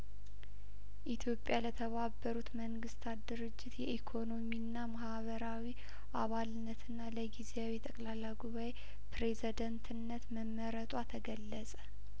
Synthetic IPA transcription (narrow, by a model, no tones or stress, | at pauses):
ʔit̪ʰjo̞pʼːjalət̪ʰəβabːəɾut̪məŋɡɨst̪ʰat̪d̪ɨɾɨd͡ʒːɪt̪jɛʔikʰo̞no̞minːamahβəɾawi | ʔaβalɨnːət̪ʰɨnːaləɡizeawit̪ʼəkʼlalːaɡuβaj | pɾezd̪ənt̪ʰɨnːət̪məmːəɾət̪ʼwat̪ʰəɡəlːəsʼə